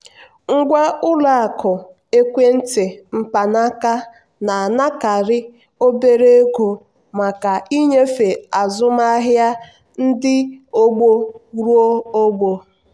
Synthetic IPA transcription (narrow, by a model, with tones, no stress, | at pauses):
ŋ̩˦ɡʷa˦ʊ˦la˦a˨kʊ˨ | e˦kʷe˦n̩˦te˨m̩˨pa˨na˦ka˦ | na˨a˨na˦ka˨ɾɪ˦ | o˦be˦ɾe˦ɡo˨ | ma˨ka˨i˦ɲe˦fe˨a˨zʊ˦ma˦a˦ɦja˦ | n̩˦dɪ˦o˦ɡ͡bo˦ɾu˦o˦o˦ɡ͡bo˨